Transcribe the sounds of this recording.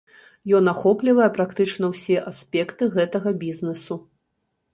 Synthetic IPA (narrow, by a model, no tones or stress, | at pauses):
jɔnaxɔplʲivɐjɛpɾakt̪ɨt͡ʂnɐwsʲɛʔasʲpʲɛkt̪ɨɣɛt̪ɐɣɐbʲiznɛsu